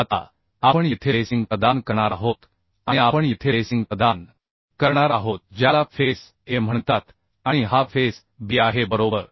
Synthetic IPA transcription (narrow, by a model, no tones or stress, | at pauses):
at̪a̰ | apəɳjit̪ʰesiŋɡpɾəd̪ankəɾɳ̃aɾaɦot̪ | aɽ̃iapəɳjit̪ʰesiŋɡpəd̪an | kəɾɳaɾaɦot̪̚d͡ʑjalafes | ɦem̤əɳt̪at̪ | aɽ̃iɦafes | biaɦebəɾobəɾ